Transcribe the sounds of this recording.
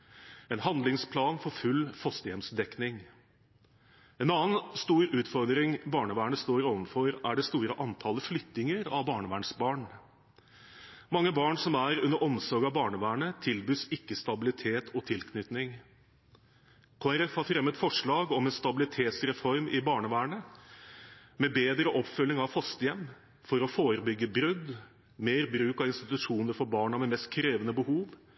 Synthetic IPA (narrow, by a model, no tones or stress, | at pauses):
ɛnhɑnd̪lɪŋspʰlɑːnfɔɾfʉlfɔst̪əjɛmsd̪ɛknɪŋ | ɛnɑːənst̪uːɾʉːt̪fɔɾd̪ɾɪŋbɑːɳəʋæːɳəst̪oːɾɔʋənfɔɾæɖɛst̪uːɾəʔɑnt̪ʰɑləflʏt̪ːɪŋəɾɑʋbɑːɳəʋæːɳsbɑːɳ | mɑŋːəbɑːɳsɔmæɾʉnːəɾʔɔmsɔɾɡɑbɑːɳəʋæːɳət̪ʰɪlbyːsɪkːəst̪ɑbɪlɪt̪ʰeːt̪ʰɔt̪ʰɪlkʰnʏt̪nɪŋ | kʰoːæɾɛfhɑɾfɾɛmːət̪fɔʂɭɑːɡɔmɛnst̪ɑbɪlɪt̪ʰeːt̪sɾɛfɔɾmʔɪbɑːɳəʋæːɳə | mɛbeːd̪ɾəʔɔpfʉlːɪŋɑʋfɑst̪əjɛmː | fɔɾɔfoːɾəbʏɡːəbɾʏd̪ | meːɾbɾʉːkɑʋɪnst̪ɪt̪ʉʂuːnəɾfɔɾbɑːɳɑmɛmɛst̪̚kʰɾeːʋənəbəhuːʋ